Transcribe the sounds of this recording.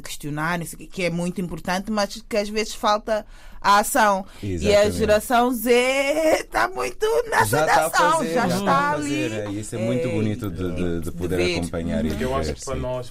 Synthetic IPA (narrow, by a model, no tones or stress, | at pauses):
kɨ̥ʃt̪junaɾnõsewkekɛmũj̃t̪uĩmpuɾt̪ɐ̃nt̪ɨmɐʃkɨaʒvezɨʃfalˠt̪ɐː | asɐ̃w̃ | ziɐʒɨɾɐsɐ̃w̃zet̪amũj̃t̪unɛsaasɐɐ̃w̃ʒaʃt̪aɐlˠieɾiisɛmũj̃t̪uβunit̪uðɨd̪ɨd̪ɨðpuðeɾvɐekõ̰mpɐɲa̰ɾiðewvḛɾsɾɐnɔʃ